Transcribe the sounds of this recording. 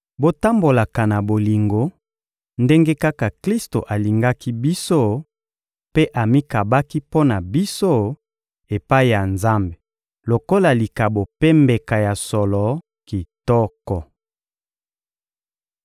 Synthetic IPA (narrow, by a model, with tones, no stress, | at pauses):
bo˦ta˦mbo˨la˨ka˨na˨bo˨li˨ŋɡo˨ | nde˦ŋɡe˦ka˦ka˨kli˦sto˨ʔa˨li˨ŋɡa˦ki˦bi˦so˦ | pe˦ʔa˨mi˦ka˨ba˦ki˦po˦na˨bi˦so˦ | e˨pa˦i˦˨ja˨nza˦mbe˨ | lo˨ko˦la˨li˨ka˨bo˨pɛ˦mbe˨ka˨ja˨sɔ˨lɔ˨ | ki˨tɔ˦kɔ˨